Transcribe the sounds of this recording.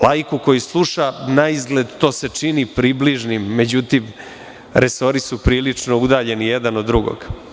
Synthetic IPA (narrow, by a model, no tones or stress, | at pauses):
lʔajkuko̞juslˠuʃanaizɡle̞d̪t̪o̞ːse̞t͡ʂinipɾibliʒnimːe̞d͡ʑut̪im | ɾeso̞ɾisupɾiːlit͡ʂno̞ud̪aːʎe̞nijed̪anod̪ːɾuɡo̰ɡ̥